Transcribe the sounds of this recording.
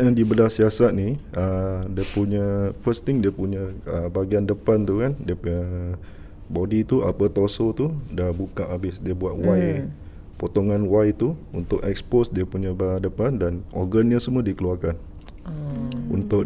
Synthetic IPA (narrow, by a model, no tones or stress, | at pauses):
adibəlasiasat̪̚niədiəpuɲafəst̪iŋdiəpuɲə̃əbaɡiandəpant̪ukandiəpuɲə | bodit̪uʔa̰pət̪osot̪udabukaʔabɪsdiəbuaʔ̪̚waj | pot̪oŋãnwajt̪uunt̪ʊʔɛ̰k̚sposdiəpuɲãbdəpandanorɡənɲasəmuədikəluarkan | ṵnt̪ʊʔ